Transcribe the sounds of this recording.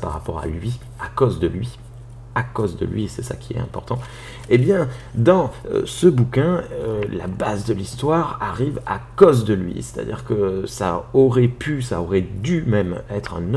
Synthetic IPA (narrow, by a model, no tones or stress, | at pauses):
paʁːapɔʁa̰lɥi | akozd̪əlɥi | akozd̪ə̰lɥisɛsa̰kʲʰiɛ̰t̪ɛ̃pɔʁt̪ɑ̃ | ebjɛ̃d̪ɑ̰̃səbukʲɛ̃øla̰bazd̪əlist̪waʁaʁiva̰kozd̪əlɥḭse̥t̪a̰d̪ḭʁkəsa̰ɔʁɛpysaɔʁɛd̪ymɛmɛt̪χɛ̰̃n